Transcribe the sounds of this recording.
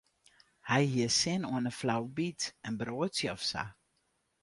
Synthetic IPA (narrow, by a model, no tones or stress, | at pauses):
hɛjɦiəsɪnoənəflawbitɛnbroːəsjəɔfsa̰